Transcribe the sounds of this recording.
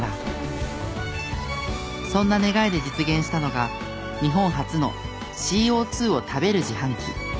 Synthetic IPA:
a | sõ̞nːane̞ɡaid̪e̞d͡ʑit͡sɨɡẽ̞ɰ̃ɕi̥t̪ano̞ɡa | ɲ̟iɦõ̞ɰ̃ɦat͡sɨno̞̰ | ɕiːo̞ːt͡sɨːo̞t̪ʰabe̞ɾɯ̟ʑihãŋkʲḭ

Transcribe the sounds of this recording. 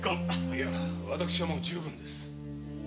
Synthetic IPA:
ko | βat̪akɯ̟ɕiβamo̞d͡ʑɨːbɯ̟̃nd̪e̞sɨ̥

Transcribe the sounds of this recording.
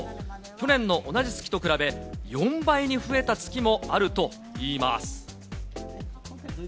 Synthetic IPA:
kʲo̞nẽ̞nːo̞ʔonad͡ʑisɨ̥kʲi̥t̪o̞kɯ̟ɾabe̞jõ̞mbaiɲ̟iɸɯ̟e̞t̪at͡sɨ̥kʲimo̞aɾɯ̟t̪o̞ | iːma̰sɨ̥

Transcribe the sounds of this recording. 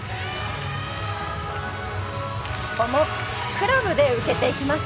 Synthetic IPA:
omo | kɯ̟ɾabɯ̟d̪e̞ɯ̟ke̞t̪e̞ikʲimaɕ

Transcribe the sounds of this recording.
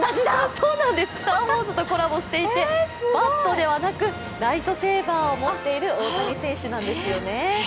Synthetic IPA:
so̞ːnãnd̪e̞sɨ̥t̪aho̞ːzɨt̪o̞ko̞ɾabo̞ɕi̥t̪e̞it̪e̞bat̪ːo̞d̪e̞βanakɯ̟ | ɾait̪o̞se̞ːbãɰo̞mo̞t̪ːe̞iɾɯ̟oːsaɡʲisẽ̞ɰ̃ɕɨnãnd̪e̞sɨjo̞ne̞

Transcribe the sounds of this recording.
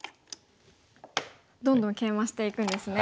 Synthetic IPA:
d̪õ̞nd̪õŋkẽ̞ɰ̃βaɕi̥t̪e̞ikɯ̟̃nd̪e̞sɨne

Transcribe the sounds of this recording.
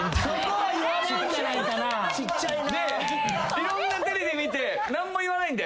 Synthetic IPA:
sokoaiaɕiɯinait̪ana | t͡ɕit͡ɕːa | d̪e̞ | iɾõ̞nːat̪eɾʲid̪emʲit̪e̞ | nãmːo̞iβanaĩnd̪e

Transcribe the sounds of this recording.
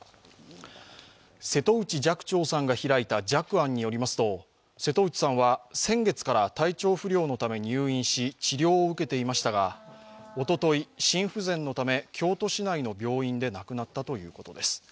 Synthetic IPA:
se̞t̪o̞ɯ̟t͡ɕid͡ʑakɯ̟̥t͡ɕo̞ːsãŋɡaçiɾait̪ad͡ʑakɯ̟ãɲ̟ːijo̞ɾʲimasɨ̥t̪o̞ | se̞t̪o̞ɯ̟t͡ɕi̥sãɰ̃βasẽ̞ŋɡe̞t͡sɨ̥kaɾat̪ait͡ɕo̞ːɸɯ̟ɾʲo̞ːno̞t̪ame̞ɲ̟iɯːĩɰ̃ɕit͡ɕiɾʲo̞ːɯ̟ke̞t̪e̞imaɕi̥t̪aɡa | o̞t̪o̞t̪o̞iɕĩɰ̃ɸɯ̟zẽ̞nːo̞t̪ame̞kʲʰo̞ːt̪o̞ɕinaino̞bʲo̞ːĩnd̪e̞nakɯ̟nat̪ːat̪o̞jɯ̟ːko̞t̪o̞d̪e̞sɨ̥

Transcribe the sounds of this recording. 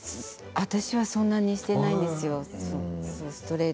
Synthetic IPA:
βat̪aɕiβasõ̞nːaɲ̟iɕi̥t̪e̞naĩnd̪e̞sɨjo̞sosoːsɨ̥t̪o̞ɾe̞

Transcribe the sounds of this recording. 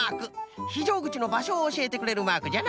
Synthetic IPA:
aːkɯ̟çiʑo̞ːɡɯ̟t͡ɕino̞baɕo̞ːɕie̞t̪e̞kɯ̟ɾe̞ɾɯ̟maːkɯd͡ʑan

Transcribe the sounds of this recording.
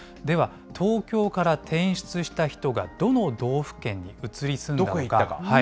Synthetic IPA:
d̪e̞βa | t̪ʰo̞ːkʲo̞ːkaɾat̪ʰẽ̞ɰ̃ɕi̥t͡sɨɕi̥t̪açi̥t̪o̞ɡa̰d̪̥o̞no̞d̪o̞ːɸɯ̟̥kẽ̞ɲ̟ːiɯ̟t͡sɨɾʲisɨ̃nd̪oaokakaha

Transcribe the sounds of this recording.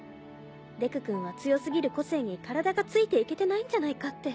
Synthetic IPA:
d̪e̞kɯ̟kɯ̟̃ɰ̃βat͡sɨjo̞sɨɡʲiɾɯ̟ko̞se̞ːɲ̟ikaɾad̪aɡat͡sɨit̪e̞ike̞t̪e̞naĩɲ̟d͡ʑanaikat̪ːe̞

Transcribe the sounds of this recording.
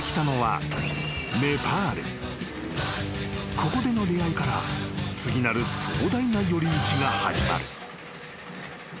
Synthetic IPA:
kʲi̥t̪ano̞βa̰ | me̞paːɾḛ | kʰo̞ko̞d̪e̞no̞d̪e̞aikaɾa̰t͡sɨɡʲinaɾɯ̟so̞ːd̪ainajo̞ɾʲimit͡ɕiɡaha̰ʑima̰ɾɯ̟

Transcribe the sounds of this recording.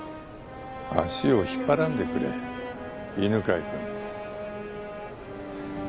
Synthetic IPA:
a̰ɕio̞çi̥pːaɾãnd̪e̞kɯ̟ɾḛ | inɯ̟kaikɯ̃n

